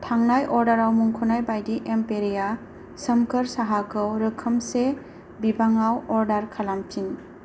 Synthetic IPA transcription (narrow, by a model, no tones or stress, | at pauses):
tʰaŋnajʔɔɾdaɾawmuŋkʰunajbajdiʔempeɾija | sɐmkʰəɾsaɦakʰɯwɾɯkʰɯmse | bibaŋawɔɾdaɾkʰalampʰin